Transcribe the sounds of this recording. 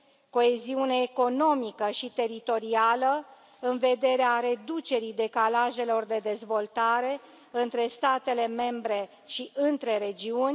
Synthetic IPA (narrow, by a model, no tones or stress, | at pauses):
ko̞e̞ziune̞ːko̞no̞mikəʃit̪e̞ɾit̪o̞ɾialə | ɨnve̞d̪e̞ɾeaɾe̞d̪ut͡ʃe̞ɾijd̪e̞kalaʒe̞lo̞rd̪e̞d̪e̞zvo̞lt̪aɾe̞ | ɨnt̪ɾe̞st̪at̪e̞le̞me̞mbɾe̞ | ʃiʔɨnt̪ɾe̞ɾe̞d͡ʒiunʲ